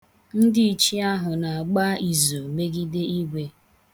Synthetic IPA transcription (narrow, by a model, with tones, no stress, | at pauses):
n̩˦dɪ˦i˨t͡ʃi˦a˦ɦʊ˨na˨a˨ɡ͡ba˦i˨zo˨me˦ɡi˦de˦i˦ɡʷe˦